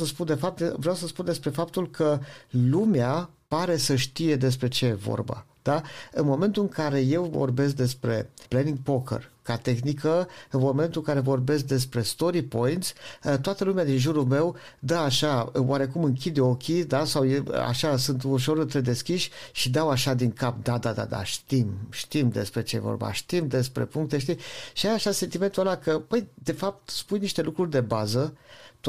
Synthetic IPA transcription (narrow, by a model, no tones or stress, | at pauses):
səspund̪e̞fap̚t̪vɾeawsəspund̪e̞spɾe̞fap̚t̪ulkʰəlumeapaɾe̞səʃt̪ije̞d̪e̞s̬pɾe̞t͡ʃe̞jevo̞̰rba̰ | d̪̥aɨnmo̞me̞nt̪ulɨŋkaɾe̞je̞wvo̞̰rbe̞s̬k̚d̪e̞spɾe̞̰pleniŋɡ̚pokə̰rkat̪e̞xnikʰəɨnmo̞me̞nt̪uɨŋkaɾe̞vo̞rbe̞s̬k̚d̪e̞spɾe̞st̪o̞ɾipo̞jint̪sʲt̪oat̪əlumead̪inʒuɾulme̞w | d̪əaʃaowʔaɾe̞kumɨŋkʲid̪o̞kʲid̪asawjḛa̰ʃasɨnt̪uʃ̬o̞ɾɨnt̪ɾe̞d̪e̞skʲiʃʲʃid̪awaʃad̪iŋkapd̪ad̪ad̪a̰d̪a̰ʃt̪imʃt̪imd̪e̞̰spɾe̞t͡ʃejevo̰rba̰ʃt̪imd̪e̞spɾḛpuŋk̚t̪eʃ̬t̪iʃiajaʃase̞nt̪ime̞nt̪ualakəpəjd̪e̞fap̚t̪spujniʃt̪e̞lukɾurʲd̪e̞bazət̪